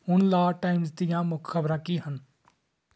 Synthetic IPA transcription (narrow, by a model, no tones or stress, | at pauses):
ʊnlaːʈaːɪmzt̪ijãmʊkʰxʰəbɾãːkiɦən